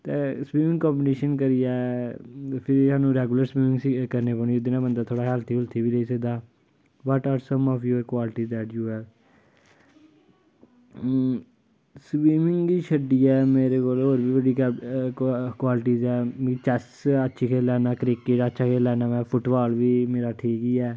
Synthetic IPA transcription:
t̪eːswiːmɪ̃ŋɡkɔ̃ːmbɪneːʃənkəɾɪjaːɛ | pʰɪɾsaːnũːɾɛːɡuləɾswiːmɪ̃ŋɡsikəɾneːpəɳ̃iod̪ɪnãːbənd̪aːt̪ʰoːɽaːɦɛːlt̪ʰiːʊlt̪ʰːiːʋiːɾeiːsəɡ̚d̪aː | ʋɔʈaːɾsə̃mɔːfjuːəɾkwaːlʈiːd̪ɛːʈjuːɛːɾ | swiːmɪ̃ŋɡɡiːʃəɖiːɛːmeːɾeːkoːlɦoːɾbiːbəɖiː | kwaːlɪʈiːzɛːt͡ʃɛs | ətːʃʰiːkʰeːlɛːnaːkɾɪkːɪʈətːʃʰaːkʰeːlɛːnaːʋɛːpʰʊʈbaːlʋiːmeːɾaːʈʰiːkiːɛː

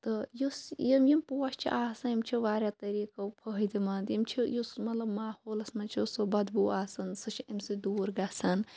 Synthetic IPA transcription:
t̪ɨjusjɐmjɐmpoːɐst͡ʃʰḭʔaːsɐnimt͡ʃʰiʋaːɾʲjat̪ɐɾiːkɐwpʰəɦid̪imɐnt̪jimt͡ʃʰijusmɐt̪lɐbmaːhoːlɐsmɐnt͡ʃʰosobɐd̪buaːsɐnsɨt͡ʃʰiɐmsid̪uːɾɡasɐn

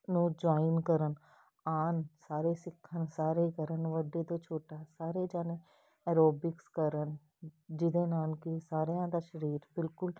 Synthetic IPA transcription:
nũːd͡ʒaːinkəɾən | aːnsaːɾeːsɪkʰːənsaːɾeːkəɾənʋəɖeːt̪oːt͡ʃʰoːʈaːsaːɾeːd͡ʒaːneː | ɛːɾoːbɪkskəɾən | d͡ʒɪd̪eːnaːlkɪsaːɾejãːd̪aːʃəɾiːɾbɪlkʊl

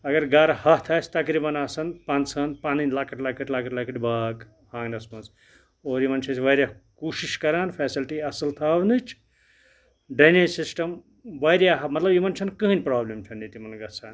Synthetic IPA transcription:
ɐɡɐɾɡaːɾɐhɐt̪ʰɐːsʲt̪ɐkɾibɐnɐsɐnpaːnsɐnpaːninʲlaːkɐʈlaːkɐʈlaːkɐʈlaːkɐʈbaːɡ | hãːɡnɐsmɐ̃nz | oːɾimɐnt͡ʃʰɐsʰʋɐjɾʲjakuːʃiʃkɐɾaːnpʰeːsilʈiɐsɐlt̪ʰaːwnɨt͡ʃʰ | ɖɐnisisʈɐm | ʋɐɾjaːɦmɐt̪lɐbjimɐnt͡ʃʰɐnkɨɦɨnʲpɾaːblemt͡ʃʰɐnːet̪imɐnɡɐsʰaːn

